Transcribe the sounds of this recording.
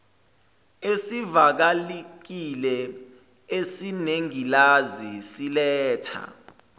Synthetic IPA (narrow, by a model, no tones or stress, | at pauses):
esivak̬alik̬ilɛ | esineŋilazisilɛːtʰa̰